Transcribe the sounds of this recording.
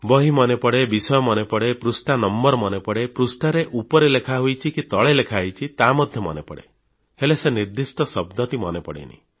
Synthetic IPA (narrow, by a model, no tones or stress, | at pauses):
bɔɦimɔnepɔɽebisɔjɔmɔnepɔɽepɾusʈanɔmbɔɾɔmɔnepɔɽepɾusʈaɾeʔupɔɾelekʰaɦujt͡ʃʰikit̪ɔɭelekʰajt͡ʃʰit̪amɔd̪ʱjɔmɔ̰nepɔɽḛ | heleseniɾd̪isʈɔsɔbd̪ʱɔʈimɔnepɔɽḛnḭ